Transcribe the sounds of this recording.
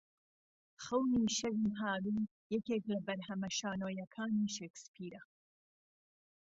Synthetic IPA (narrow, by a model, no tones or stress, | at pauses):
xɐwniːʃɐɾimɦaːɾiː | jɛkeːklɐbɐɾɦɐmɐʃaːnoːjɐkʰaːniːʃekspʰiːɾɐ